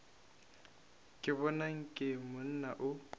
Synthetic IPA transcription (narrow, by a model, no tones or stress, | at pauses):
kʼɪβɔnaŋ̩kʼɪmʊn̩naʔʊ